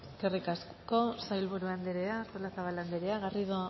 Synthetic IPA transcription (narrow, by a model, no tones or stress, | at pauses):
eske̞rikasko̞sajlβuɾuand̪eɾeaːɾt̪olasaβaland̪eɾeaɣariðo